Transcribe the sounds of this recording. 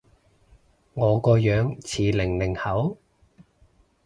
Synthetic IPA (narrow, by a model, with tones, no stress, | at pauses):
ŋɔː˨˧kɔː˧jœː˨˥ŋt͡sʰiː˨˩lɪ˨˩ŋlɪ˨˩ŋhɐ˨˥w